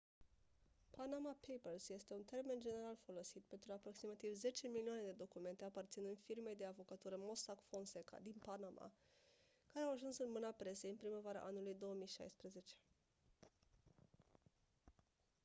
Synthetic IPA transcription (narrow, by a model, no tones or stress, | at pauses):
panamapejpəlsje̞st̪e̞unt̪e̞rme̞nd͡ʒe̞neɾalfo̞lo̞sit̪̚pe̞nt̪ɾuapɾo̞ksimat̪ivze̞t͡ʃe̞milioane̞d̪e̞d̪o̞kume̞nt̪e̞apart̪sinɨnfirme̞jd̪e̞avo̞kat̪uɾəmo̞sakfo̞nseka̰d̪inpanamʔa̰ | kaɾe̞awaʒunsɨnmɨnapɾe̞se̞jɨnpɾiməvaɾa̰ʔanulujd̪o̞omijʃa̰jspɾe̞ze̞t͡ʃe̞̥